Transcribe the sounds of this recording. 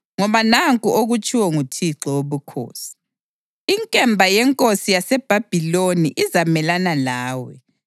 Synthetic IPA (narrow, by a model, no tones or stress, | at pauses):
ŋɔβanaŋkʼuʔoɣut͡ʃʼiwɔŋutʰiǁɔwoβukʰo̰ːsi̥ | iŋkʼɛmbʱajɛŋkʼosijasɛb̥ʱab̥ʱiloniʔizamɛlanalaːwɛ̰